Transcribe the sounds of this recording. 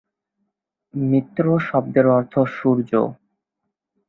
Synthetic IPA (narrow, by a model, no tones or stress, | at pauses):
mit̪ːɾoʃɔb̚d̪eɾɔɾt̪ʰoʃuɾd͡ʑo̰